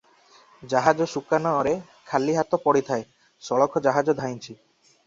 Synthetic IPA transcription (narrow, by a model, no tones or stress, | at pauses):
d͡ʒaɦad͡ʒɔsukanɔːɾe | kʰalːiɦat̪ɔpɔɽit̪ʰae | sɔɭɔkʰɔd͡ʒaɦad͡ʒɔd̪ʱajnt͡ʃʰi